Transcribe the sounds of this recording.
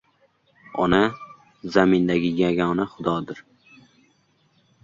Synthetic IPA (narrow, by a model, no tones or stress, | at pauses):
ɒ̰na | zamɪnd̪aɡʲɪjaɡʲɒnaχʊd̪ɒd̪ɪɾ